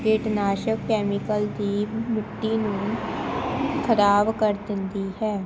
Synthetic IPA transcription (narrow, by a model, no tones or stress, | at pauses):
ɡeːʈnaːʃəkkɛːmɪkəld̪iːmɪʈːiːnũː | kʰəɾaːbkəɾd̪ɪnd̪iːɦɛː